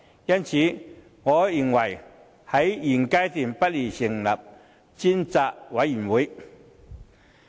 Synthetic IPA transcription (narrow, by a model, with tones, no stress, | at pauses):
jɐ˥nt͡sʰi˨˧˦ | ŋɔ˨˧˦ji˨˩ŋwɐ˨˩j | hɐ˨˥jji˨˩ŋka˦˥jsi˨˩npɐ˥t̚li˨˩ɕi˨˩ŋla̰˨˩p̚ | t͡ɕi˥nt͡sa˧˩ʔwa˨˦jji˨˩nwu˨˦j